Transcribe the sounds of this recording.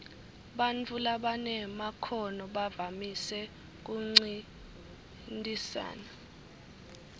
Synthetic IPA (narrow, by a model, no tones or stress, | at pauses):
ɓant͡fʰulaɓanɛmakʰɔnɔɓavamisɛ | k̬uŋ͡ǀi | ntʼisa̰ːna